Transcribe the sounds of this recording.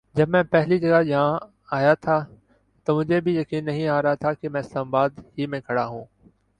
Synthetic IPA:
d͡ʒɐbmɛ̃ːpɛɦlid͡ʒɐɡajɐɦã | aːjat̪ʰa | t̪oːmʊd͡ʒʱebʱijɐkiːnːɐɦĩaːɾɐɦat̪ʰakemɛ̃ːɪslaːmabaːd̪ɦimẽːkʰɐɽaɦũː

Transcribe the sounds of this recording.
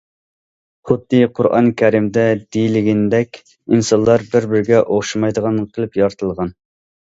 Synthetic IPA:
χʊd̪ːɨqʰʊɾɑ̰nkʲʰɛɾimd̪ɛd̪ijlɪɡʲind̪ɛkʲ | insɑnlˠɑɾbɪɾbɪɾɡʲɛʔoχʃimɑjd̪əʁɑnqʰəlˠɨpjɑɾt̪ʰəlˠʁɑn

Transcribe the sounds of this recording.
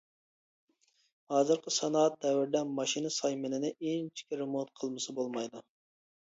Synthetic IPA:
hɑːzɨɾqəsɑnɑːt̪̚d̪ɛwɪɾd̪ɛnmɑʃinɨsɑjmɪnɪnɪent͡ʃʰi̥kʲʰiɾɨmut̪qʰəlˠmɨsɨbolˠmɑjd̪u

